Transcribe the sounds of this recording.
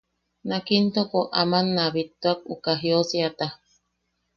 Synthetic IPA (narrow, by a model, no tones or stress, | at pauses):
nakint̪okoʔamanːaβit̪ːuak̚ukaɦiosiat̪a